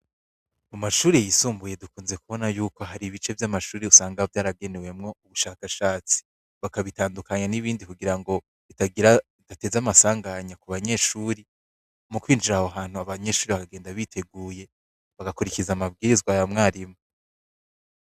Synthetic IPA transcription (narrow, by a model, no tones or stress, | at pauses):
umaʃuːɾejisuːmbuje̞dukuːnze̞kuβo̞najuːko̞ɦaɾiβit͡ʃe̞vjamaʃuːɾeusaːŋɡaovjaːɾaɡe̞newe̞mŋo̞uβuʃaːkaʃaːt͡si̥ | βakaβitaːndukaɲaniβiːndikuɡiɾaŋɡo̞ | itaɡiɾaitate̞zamasaːŋɡaɲakuβaɲe̞ʃuːɾi | mukwiːnd͡ʒiɾahoɦaːn̥huaβaɲe̞ʃuːɾiβakaɡe̞ːndaβitʰe̞ɡuːje̞ | βaɡakuɾicizamab̚ɡiːɾizɡwajamŋaːɾimo